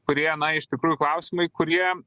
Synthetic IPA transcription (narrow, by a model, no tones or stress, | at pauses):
kʊɾʲiɛnɐɪʃt̪ʲɪkɾuːjʊklˠɐʊsʲɪmɐɪkʊɾʲiɛ